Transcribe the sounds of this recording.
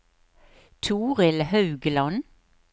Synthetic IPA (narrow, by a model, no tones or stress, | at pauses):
t̪ʰuːʁɪlhɑʉɡlɑn